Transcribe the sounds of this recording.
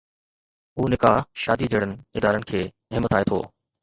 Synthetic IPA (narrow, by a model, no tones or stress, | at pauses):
ɦuːnɪkaːɦʃa̰ːd̪id͡ʑeɽənɪ̆ɪd̪aːɾənɪ̆kʰeː | ɦɪmːət̪aːet̪ʰo̰ː